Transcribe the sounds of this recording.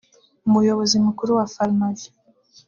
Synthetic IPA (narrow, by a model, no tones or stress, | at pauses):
umujo̞βo̞zimukuɾuwafalmazi